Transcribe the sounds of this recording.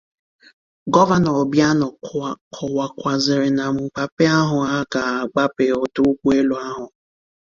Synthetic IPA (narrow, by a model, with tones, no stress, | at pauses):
ɡɔ˦va˦nɔ˨bja˦nɔ˨kʰɔ˨wa˨kʷa˨zɪ˨ɾɪ˨na˨ŋ͡m̩˨k͡pa˨pe˦a˦ɦʊ˨a˦ka˨a˨ɡ͡ba˦pe˨o˨tʊ˦kʷu˦e˦lo˨a˦ɦʊ˨